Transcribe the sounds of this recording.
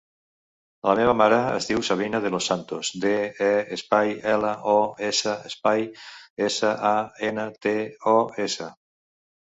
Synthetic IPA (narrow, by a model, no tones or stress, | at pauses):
lameβ̞amaɾəə̰zðiwsaβ̞inaðelosːant̪ozd̪eɛespajɛlaʔɔesəespajesəʔaenət̪eɔesə